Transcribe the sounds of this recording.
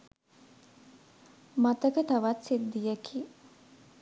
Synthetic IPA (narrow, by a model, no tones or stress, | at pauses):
mat̪əkət̪aʋat̪sid̪̚d̪ijəkʰi